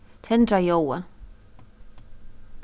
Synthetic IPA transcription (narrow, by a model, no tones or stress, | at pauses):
t̪ʰɛnd̪ɾajowa